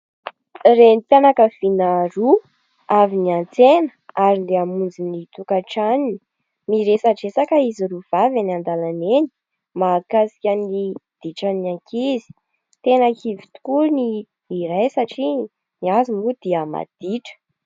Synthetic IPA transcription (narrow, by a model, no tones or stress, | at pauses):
renipjanakəv̥inaɾu | aviniant͡senə̥aɾind̪eamund͡zinit̪ukaʈ͡ʂanini̥ | miɾesaʈ͡ʂesakəiziɾuv̥avanand̪alaneni̥ | makasi̥kʲənid̪̥iʈ͡ʂanakizi̥ | t̪enakʰivit̪u̥kuniː | ɾajsaʈ͡ʂi | niazimud̪̥iəma̰d̪̥iʈ͡ʂə̥